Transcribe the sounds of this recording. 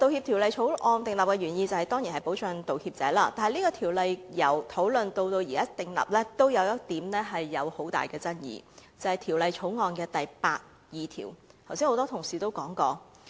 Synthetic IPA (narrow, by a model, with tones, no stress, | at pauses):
t̪o˨˧whiː˧p̚t̪ʰiː˨˩wlɐ˨jt͡ʃʰo˨˥wŋɔː˨˧nt̪ɪ˨ŋlɐ˨p̚kɛː˧ɥyː˨˩njiː˧t͡sɐ˨˩hɐ˨jt̪ɔː˥ŋji˨˩hɐ˨jpo˨˥wt͡ʃʰœ˨˧nt̪o˨whiː˧p̚t͡sɛː˨˥laː˥t̪aː˨nhɐ˨jniː˥kɔː˧t̪ʰiː˨˩wlɐ˨jjɐ˨˩wt̪ʰo˨˥wlɵ˨nt̪o˧wt̪o˧wji˨˩kaː˥t̪ɪ˨ŋlɐ̰˨p̚lɛː˥t̪o˥wjɐ˨˧wjɐ˥k̚t̪iː˨˥mlɛː˥ɦɐ˨jːɐ˨˧who˨˥wt̪a̰ː˨˩jkɛː˧t͡sɐ˥njḭː˨˧t͡sɐ˨˩hɐ˨jt̪ʰiː˨˩wlɐ˨jt͡sʰo˨˥wŋɔː˨˧nkɛː˧t̪ɐ˨jpaː˧t̚ | jiː˨˧t̪ʰḭ˨˩wt̪ʰwsi˥ho˧˥t̪ɔː˥t̪ʰʊ˨˩ŋsiː˨t̪o˥wkɔː˨˥ŋkɔː˧